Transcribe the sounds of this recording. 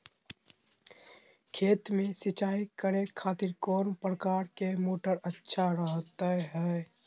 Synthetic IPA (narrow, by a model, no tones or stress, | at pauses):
kʰeːt̪mẽsɪt͡ʃaːikəɾekʰaːt̪ɪɾkoːɾmpɾəkaːɾkemoːʈəɾətːʃʰaɾəɦt̪əɦɛː